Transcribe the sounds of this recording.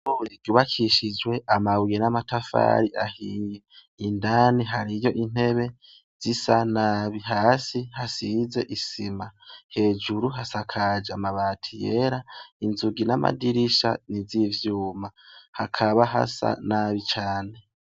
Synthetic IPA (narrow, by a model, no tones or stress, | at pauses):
oiɡuːβakʰiʃid͡ʒwe̞ʔamaβujenamatafa̰ɾiʔahiːje | indaniɦaɾijo̞ʔin̥he̞βe̞ | z̥isanaːβiɦaːsihasize̞ʔisimahe̞ːd͡ʒuɾuɦasakʰad͡ʒeamaβaːtʰijeɾainzuɡinama̰diɾiʃa̰nizivjuːmahakʰaβaɦa̰sa̰naβit͡ʃaːne̞